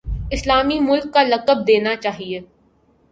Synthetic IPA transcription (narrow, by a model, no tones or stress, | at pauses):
ɪslaːmimʊlkːalɐkəb̚d̪eːnat͡ʃaːɦieː